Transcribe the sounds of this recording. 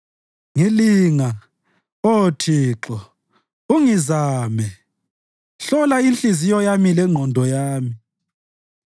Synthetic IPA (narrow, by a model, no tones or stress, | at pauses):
ŋiliːŋa | otʰiːǁɔ | uŋizaːmɛ | ɬɔlainɬʼizijɔjamilɛŋ͡ǃʱɔndʱɔjaːmi